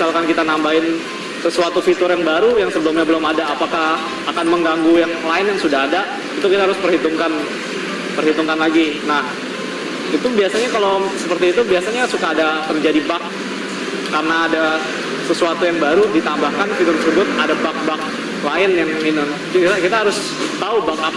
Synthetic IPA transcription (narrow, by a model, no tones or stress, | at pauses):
salkankit̪anambaɪn | səsuat̪ufit̪ʊɾjaŋbaɾujaŋsəbəlʊmɲabəlʊmadaːpaka | akanməŋɡaŋɡujaŋlaɪnjaŋsudaɦada | it̪ukit̪aɦaɾʊspərhit̪uŋkan | pərhit̪uŋkanlaɡinah | it̪ubiasaɲakalosəpərt̪iːt̪ubiasaɲasukaːdat̪ərd͡ʒadibak̚ː | arnaːda | səsuat̪ujaŋbaɾudit̪ambahkanfit̪ʊrsəbʊt̪̚adabak̚bak̚ | laɪnjaŋminʊn | t̪akit̪aɦaɾʊs | t̪aubak̚a